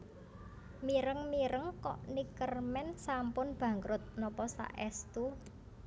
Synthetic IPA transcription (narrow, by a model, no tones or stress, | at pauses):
miɾəŋmiɾəŋkɔ̰ʔnikərmɛnsampʊnb̥ä̤ŋɾʊt̪̚nɔpɔsa̰ʔɛst̪u